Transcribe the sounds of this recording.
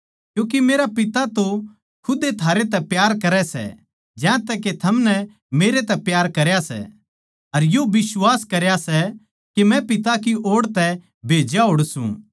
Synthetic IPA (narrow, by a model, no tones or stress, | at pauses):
kjũːk̬imeːɾapɪt̪at̪o | kʰʊd̪et̪ʰaːɾet̪ɛpjaːɾkɐɾɛsɛ̰ | d͡ʒɛ̃ːt̪ɛket̪ʰɐmnɛ | meːɾet̪ɛpjaːɾkɐɾjasɛ̰ | ɐɾjobɪswaːskɐɾjasɛ | kemɛ̃pɪt̪̬akiʔoːɽt̪ɛ | bʱeːd͡ʒjaɦoːɽsṵ̃